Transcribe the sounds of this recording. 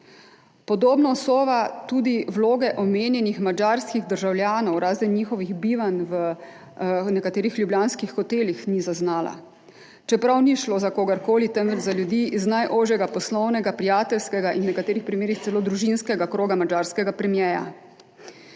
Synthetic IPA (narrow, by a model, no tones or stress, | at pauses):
pɔd̪oːbnɔsoːʋat̪uːd̪iwloːɡɛʔɔmeːnjɛnixmad͡ʒaːɾskiɣd̪əɾʒawljaːnɔwɾaːzɛnɲiːxɔʋiɣbiːʋanʋə | nɛkat̪eːɾixlʲjubljaːnskixːɔt̪eːlixnizaznaːla̰ | t͡ʃɛpɾawniʃloːzakoːɡaɾkoːlit̪ɛnʋɛt͡ʃzaljud̪iːiznajʔoːʒjɛɡapɔslɔwnɛɡapɾijaːt̪ɛlskɛɡaʔinwnɛkat̪eːɾixpɾimeːɾixt̪sɛloːd̪ɾuʒinskɛɡakɾoːɡamad͡ʒaɾskɛɡapɾɛmjɛːja̰